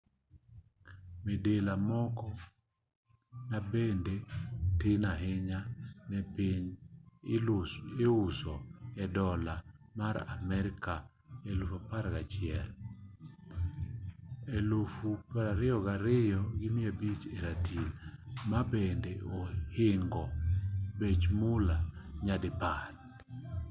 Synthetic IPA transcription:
mɪdelamɔkɔ | nabendetɪnaɦɪɲanɛpɪɲ | eʊsɔɛdɔlamaɾa̰mɛɾɪka | elufapaɾɡat͡ʃɪɛl | elofupaɾaɾɪɔɡaɾɪjɔɡɪmɪebit͡ʃeɾatʰilmabendeohɪŋɡɔbet͡ʃmʊlaɲadɪpar

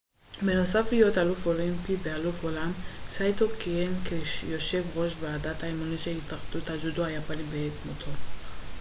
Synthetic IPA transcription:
beno̞saflijo̞t̪alufolimpibealufo̞lamsajt̪okienkejo̞ʃe̞vʁo̞ʃbeadat̪aimoniʃehit̪aχd̪ut̪had͡ʒuduajapanibeetmot̪ʰo

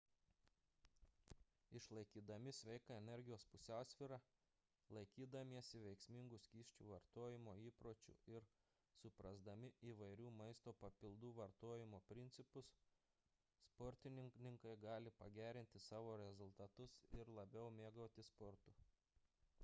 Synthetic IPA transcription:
ɪʃlˠɐɪkʲiːd̪ɐmʲɪsʲʋʲɛɪkɑɛnʲɛɾʲɡʲɪjoːspʊsʲæˑʊsʲʋʲiːɾɑ | lˠɐɪkʲiːd̪ɐmʲiɛsʲɪʋʲɛɪksʲmʲɪŋɡʊsʲkʲiːʃʲt͡ʃʲuːʋɐɾt̪oːjɪmoːiːpɾoːt͡ʃʲʊ̰ɪɾ | sʊpɾɐzd̪ɐmʲɪiːʋɐɪɾʲuːmɐɪst̪oːpɐpʲɪlˠd̪uːʋɐɾt̪oːjɪmoːpʲɾʲɪnt̪sʲɪpʊsː | pɔɾʲt̪ʲɪnʲɪŋnʲɪŋkɐɪɡɑːlʲɪpɐɡʲæːɾʲɪnʲt̪ʲɪsɑːʋoːɾʲɛzʊlˠt̪ɐt̪ʊsɪɾlˠɐbʲɛʊmʲeːɡoːt̪ʲɪspɔɾt̪ʊ

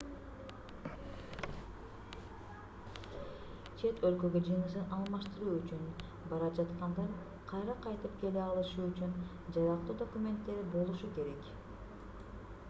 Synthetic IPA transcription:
t͡ʃʰe̞t̪ʰø̞lkø̞ɡød͡ʒɯnɯs̬ɯnʔɑlˠmɑʃt̪ɯɾuːyt͡ʃyn | bɑɾɑd͡ʒɑt̪qɑnd̪ɑj | qʰɑjɾɑqʰɑjt̪ɯp̚ke̞leɑlˠɯʃuːyt͡ʃyn | d͡ʒɑɾɑqt̪uːd̪o̞kumʲe̞nt̪ːe̞ɾbo̞lˠuʃuke̞ɾe̞k

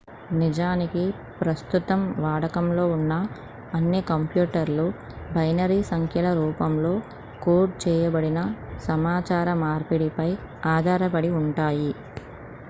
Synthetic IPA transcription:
nid͡ʒaːniki | pɾɐst̪ut̪ɐmʋaːɽɐkɐmlo̞ːunːɐː | nːikɐmpjuːʈɐɾlu | bɐjnɐɾiːsɐŋkʰjɐlɐɾuːpɐmlo̞ː | koːʈ̚t͡ʃɛːjɐbɐɽinɐsɐmaːt͡ʃaːɾɐmaːɾpiɽipɐj | aːd̪ʱaːɾɐpɐɽiuɳʈaːji

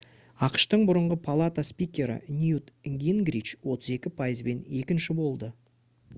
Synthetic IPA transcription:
ɑqʃt̪əɴbʊɾəɴʁəpʰalˠat̪aspijkʲe̞ɾɪ̰nʲjut̪ɡʲinɡɾit͡ʃwo̞t̪əze̞kʲɪpʰajəzbe̞ne̞kʲɪnʃɪbo̞lˠd̪ə

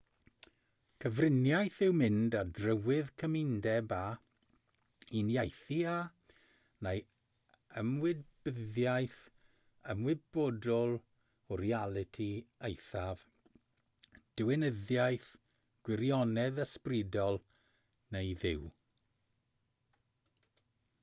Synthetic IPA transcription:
kʰəvrɪnjajθɪwmɪndadrəwɪðkʰəmɪndɛba | injajθia | nej | əmwɪdbəðjajθ | əmwɪb̥ɔdɔlˠ | ɔrialˠɪtʰiejθav | d̥ɪwɪnəðjajθ | ɡ̥wɪɾjɔnɛðəsprɪdɔlˠ | nejðɪw

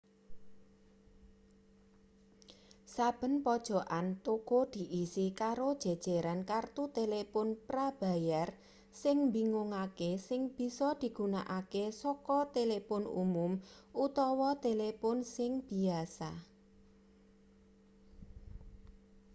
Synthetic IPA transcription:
sab̥ə̤npɔd̥ʒ̥ɔ̤ʔant̪okod̪̥i̤ʔisikaɾod̥ʒ̥e̤d̥ʒ̥e̤ɾankart̪ut̪elepʊnpɾab̥a̤jar | sɪŋmbiŋuŋakesɪŋb̥i̤sɔd̪̥i̤ɡ̥ṳna̰ʔakesɔkɔt̪elepʊnṵmʊmʔut̪ɔwɔt̪elepʊnsɪŋb̥i̤asa

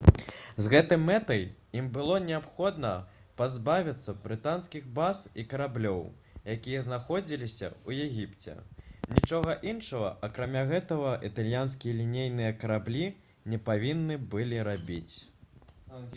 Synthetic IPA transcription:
zɣɛt̪ɨjmɛt̪ɐjimbɨlˠɔnʲɛapxɔd̪nɐ | pazbavʲit̪sːɐbɾɨt̪anskʲiɣbasikɐɾablʲɔw | jakʲijɐznaxɔd͡zʲilʲisʲɐ̰ujɛɣʲipt͡sʲɛ̰nʲit͡ʂɔɣɐʔinʂɐɣɐ̰ʔɐkɾamʲaɣɛt̪ɐɣɐʔit̪alʲjanskʲijɐlʲinʲejnɨjɐkɐɾablʲi | nʲɛpavʲinːɨbɨlʲiɾabʲit͡sʲ

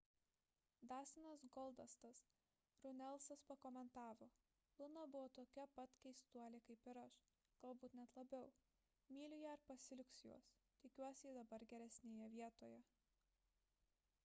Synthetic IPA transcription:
d̪ɑːsʲɪnɐsɡɔlˠd̪ɐst̪ɐs | ɾʊnʲɛlˠsɐspɐkɔːmʲɛnt̪ɑːʋoː | lˠʊnɐbʊʋoːt̪oːkʲɛpɐt̪ʲkʲɛɪst̪uɔlʲekɐɪpɪɾɐʃ | ɡ̥ɐlˠbuːt̪nʲɛt̪lˠɐbʲɛʊ | mʲiːlʲʊjɛɐɾpɐsʲɪlʲʊksʲjṵɔst̪ʲɪkʲuɔsʲɪiːd̪ɐbɐɾɡʲɛɾʲɛsʲnʲeːjɛʋʲiɛt̪oːjɛ

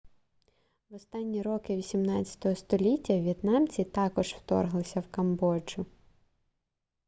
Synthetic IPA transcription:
wɔst̪ɑnʲːiɾɔkɪʋʲisʲimnɑt͡sʲɐ̥t̪ɔɦɔst̪ɔlʲitʲːɐʋʲjit̪nɑmt͡sʲit̪ɑkɔʒw̥t̪ɔ̰rɦlˠɪsʲɐwkɐmbɔd͡ʒʊ

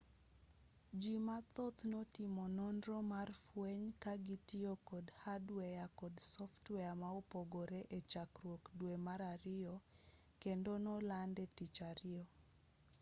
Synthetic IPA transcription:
d͡ʒimat̪ot̪notimɔnɔndɾomarfweɲkaɡitɪokɔdhadwɛjakɔdsɔftwɛamaopoɡoɾeʔet͡ʃakrwokdwemaɾaɾɪɔ | kendonɔlandɛtit͡ʃaɾɪɔ

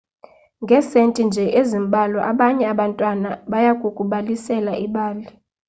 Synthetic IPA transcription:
ŋɡʱɛsentʼind͡ʒʱɛʔezimɓʱalɔʔaɓaɲɛaɓantʼwanaɓajakʼukʼuɓalisɛlaʔiɓaːli

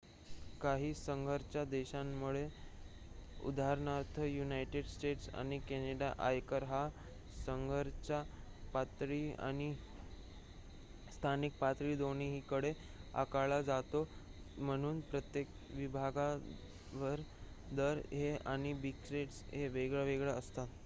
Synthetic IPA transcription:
kaɦiːsəŋɡʱəɾt͡ɕjad̪eɕamːuɭe | ṵd̪aɾɳaɾt̪ʰəjunajʈeɖsʈeʈsa̰ɽ̃ikeneɽaʔajkəɾɦa | səŋɡʱəɾt͡ɕapat̪ɾiːa̰ɽ̃i | st̪ʰanik̚pat̪ɾiːd̪oñiɦiːkəɽe | a̰kaɭad͡zat̪om̤əɽ̃uːnpɾət̪jek | ʋibʱaɡa | ʋəɾ | d̪əɾɦeaɽ̃ibiksɾeʈsɦeʋeɡɭjaʋeɡɭjaəst̪at̪

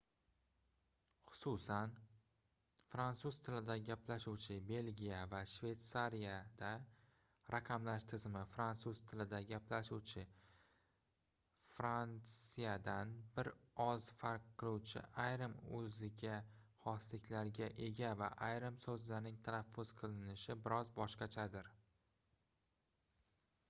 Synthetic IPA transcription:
χʊ̥susan | fɾant̪suz̥t̪ʰɪlɪd̪aɡʲaplaʃuwt͡ʃʰɪbe̞lɡʲijavaʃve̞t̪saɾijad̪̥a | ɾaqʰɑmlaʃt̪ʰɪzmɪfɾant̪suz̥t̪ʰɪlɪd̪aɡʲaplaʃuwt͡ʃʰɪ | fɾansijad̪anbɪɾɒzfaɾqqːɨlˠuwt͡ʃʰɪ̰ʔajɾɪmɵzɪɡʲahɒslɪkʲʰlaɾɡʲaʔe̞ɡʲava̰ʔajɾɪmsɵzlaɾnɪŋt̪ʰanafːʊz̥qʰɨlˠɪnɪʃɪbɪɾɒzbɒʃqɑt͡ʃʰad̪ɪɾ

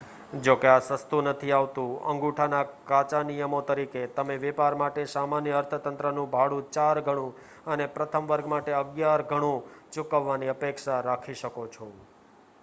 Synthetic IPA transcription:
d͡ʒokeasəst̪unət̪ʰiaʋt̪ũə̰̃ŋɡuʈʰanakat͡ʃanijəmot̪əɾiket̪əmeʋɛpaɾmaʈesamanjəəɾt̪ʰət̪ənt̪ɾənũbʱaɽũt͡ʃaɾɡʱəɽ̃ũ | ənepɾət̪ʰəmʋəɾɡmaʈeəɡjaɾɡʱəɽ̃ũt͡ʃʊkəʋːaniəpekʃaɾakʰiʃəkot͡ʃʰo

